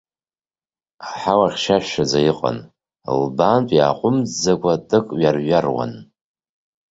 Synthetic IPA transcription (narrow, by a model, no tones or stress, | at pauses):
aħawaχʲʃaʃᶣʃad͡zajiqʼa̰n | lbantʼja̰ːqʷʼʊmzd͡zakʷʼatʼɨkʼɥarɥarwa̰n